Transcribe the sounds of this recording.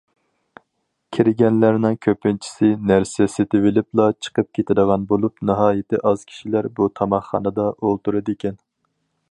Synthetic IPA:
kʲʰiɾɪɡʲɛnlæɾnɪŋkʲʰøpːɪnt͡ʃʰi̥sɪnæɾsɛset̪ʰɪvɪlɪplˠɑt͡ʃʰə̥qəp̚kʲʰet̪ʰɪd̪əʁɑnbolˠupnɨɦɑːjɪt̪ʰɪʔɑz̥kʲʰi̥ʃilæɾbut̪ʰɑmɑχːɑ̰nɨd̪ɑʔolˠt̪uɾɨd̪ɪkʲɛn

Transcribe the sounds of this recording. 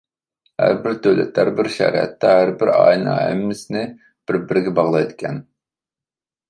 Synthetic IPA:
hæ̰ɾbɪɾt̪ʰøwlɛ̰t̪ʰːæɾbɪɾʃæ̰ɾɛ̰t̪ʰːɛɦæɾbɪɾɑ̰ːjnɨ̰ɦɛ̰mːɪsɪnɪ | b̥ɪɾbɪɾɡʲɛbɑʁlˠɑjd̪kʲʰɛn

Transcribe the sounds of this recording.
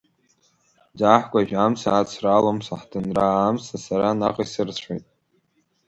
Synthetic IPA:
d͡zaħkʷʼaʒᶣamsaːt͡sʰralomsaħdʰɨnraːmsasaɾanaqʼasɨrt͡sʷʰejtʼ

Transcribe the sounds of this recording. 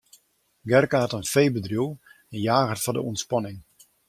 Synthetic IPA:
ɡɛrkaɦatənfejbədrjuwˠ | ɛnjaːɣətfɔdə̰ɔntspɑnɪŋ

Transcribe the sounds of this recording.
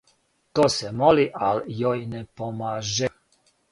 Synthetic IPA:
t̪osɛmɔliʔaljɔjnɛpɔmaʒɛ

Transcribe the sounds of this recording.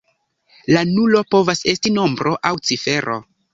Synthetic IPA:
lanulo̞po̞vase̞stino̞mbɾʔo̞ʔawt͡sife̞ɾʔo̞̰

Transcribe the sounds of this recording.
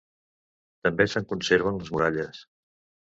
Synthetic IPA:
t̪əmbesəŋkunseɾβ̞ənləzmuɾaʎəs

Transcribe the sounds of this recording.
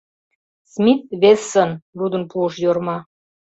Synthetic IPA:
smʲit̪̚βesːənɾud̪ə̆npuəʃjormɑ

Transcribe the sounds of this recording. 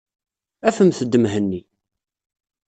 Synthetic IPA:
æfəmθəd̪ːəmɦənːi

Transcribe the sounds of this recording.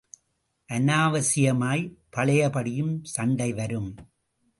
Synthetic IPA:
ʔɐnaːʋɐsɪjɐmaːjpɐɭɐjɐpɐɽɪjɯmsɐɳɖɐɪʋɐɾɯm

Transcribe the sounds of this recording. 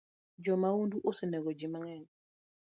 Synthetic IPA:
d͡ʒɔmawonduʔosenɛɡod͡ʒimaŋɛn

